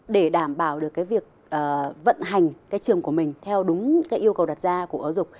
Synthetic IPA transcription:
ɗe˧˩ɗaː˧˩mɓaː˧˩wɗɨ˨˩əkːaː˨˦jvi˨˩ək̚ | ʔəː˨˩və̰˧˨nɦa˨˩jŋ̟kaː˨˦jt͡ɕɨ˨˩əŋku˧˩əmï˨˩ŋ̟t̪ʰɛ˧wɗʊ˨˦ŋ͡mkaː˨˦jʔi˧əwkə˨˩wɗa˨˩t̚zaː˧ku˧˩əʔəː˨˦wzʊ˨˩k͡p̚

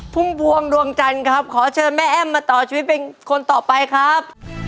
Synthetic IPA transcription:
pʰu˥˩mbu˧əŋdu˧əŋt͡ɕa˧nkʰa˦˥p̚kʰɔː˩˦t͡ɕʰɤː˧mɛː˥˩ʔɛː˥˩mːaː˧t̪ɔː˨˩t͡ɕʰiː˧wi˦t̪̚pe˧nkʰo˧nt̪ɔː˨˩pa˧jkʰɾa˦˥p̚

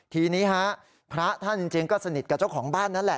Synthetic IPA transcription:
t̪ʰiː˧niː˦˥ha˦˥ʔ | pʰɾa˦˥t̪ʰa˥˩t͡ɕi˧ŋt͡ɕeː˧ŋkɔː˥˩sa˧ni˨˩t̪̚ka˨˩t͡ɕa˥˩wkʰɔː˩˦ŋbaː˥˩nːa˦˥nlɛ˨˩ʔ

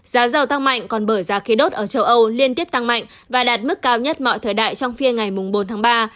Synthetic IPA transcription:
z̥aː˨˦zə˨˩wt̪a˧ŋma̰˧˨jŋ̟kɔ˨˩nɓəː˧˩jzaː˨˦xi˨˦ɗo˦˥t̚ʔəː˧˩t͡ɕə˧wʔə˧wli˧ənt̪i˦˥əp̚t̪a˧ŋma̰˧˨ŋ | vaː˨˩ɗaː˨˩t̚mɨ˦˥kːaː˧wɲə˦˥t̚mɔ̰˧˨jt̪ʰəː˨˩jɗa̰ː˧˨jt͡ɕɔ˧wŋ͡mfi˧əŋa˨˩jmʊ˨˩ŋ͡mɓo˨˦nt̪ʰaː˨˦˥ɓaː˧

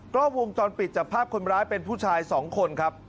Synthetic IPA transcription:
klɔː˥˩wo˧ŋt͡ɕɔː˧npi˨˩t̪̚t͡ɕa˨˩k̚pʰːaː˥˩p̚kʰo˧nɾaː˦˥jpe˧npʰuː˥˩t͡ɕʰaː˧jsɔː˩˦ŋkʰo˧nkʰɾa˦˥p̚

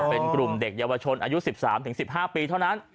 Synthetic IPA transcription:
pe˧nkɾu˨˩mde˨˩k̚jaː˧wa˧t͡ɕʰo˧nʔaː˧ju˦˥si˨˩p̚sa̰ː˩˦mt̪ʰɯ˩˦ŋsi˨˩p̚ɦaː˥˩piː˧t̪ʰa˥˩wna˦˥n

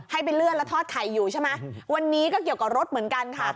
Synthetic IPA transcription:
ha˥˩jp̬a˧jlɯ˥˩ənla˦˥t̪ʰɔː˥˩kʰa˨˩jːuː˨˩t͡ɕʰa˥˩jma˦˥wa˧nːiː˦˥kɔː˥˩ki˨˩əwka˨˩ɾo˦˥t̪̚mɯ˩˦ənka˧nkʰa˥˩

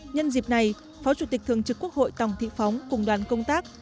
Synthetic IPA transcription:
ɲə˧nzi˨˩p̚na˨˩j | fɔ˨˦t͡ɕu˧˩t̪ï˨˩k̚t̪ʰɨ˨˩əŋt͡ɕɨ˨˩kːu˦˥ək̚ho̰˧˨jt̪a˨˩wŋ͡mt̪ʰḭ˧˨fa˨˦wŋ͡mkʊ˨˩ŋ͡mɗwaː˨˩nkə˧wŋ͡mt̪aː˦˥k̚

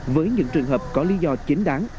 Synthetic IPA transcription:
vəː˨˦jɲɨ̰˧˥ŋt͡ɕɨ˨˩əŋɦəː˨˩p̚kɔ˨˦li˨˦zɔ˧t͡ɕï˨˦ŋ̟ɗaː˨˦ŋ

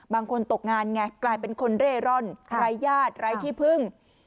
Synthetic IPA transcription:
baː˧ŋkʰo˧nt̪o˨˩k̚ŋaː˧nŋɛ˧˩klaː˧jpe˧nkʰo˧nɾeː˥˩ɾɔ˥˩nɾa˧˥jːaː˥˩t̪̚ɾa˧˥jt̪ʰiː˥˩pʰɯ˥˩ŋ

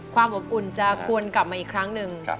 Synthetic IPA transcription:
kʰwaː˧mʔo˨˩p̚ʔu˨˩nt͡ɕa˨˩ku˧ənkla˨˩p̚maː˧iː˨˩kʰɾa˦˥ŋnɯ˨˩ŋ

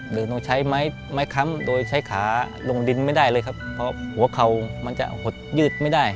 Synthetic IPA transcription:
dɤː˧no˧t͡ɕʰa˦˥jma˦˥j | ma˦˥jkʰa˧˦˥mdoː˧jt͡ɕʰa˦˥jkʰaː˩˦lo˧ŋdi˧nma˥˩jdaː˥˩jlɤː˧jkʰa˦˥pʰːɔ˧˥hu˩˦ɐkʰa˨˩wma˧nt͡ɕa̰˨˩ʔho˨˩t̪̚jɯː˥˩t̪̚ma˥˩jda˥˩j

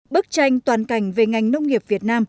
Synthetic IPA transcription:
ɓɨ˦˥k̚t͡ɕa˧jŋ̟t̪waː˨˩nka˨˧˩jŋ̟ve˨˩ŋa˨˩jŋnə˧wŋ͡mŋi˨˩əp̚vi˨˩ət̚naː˧m

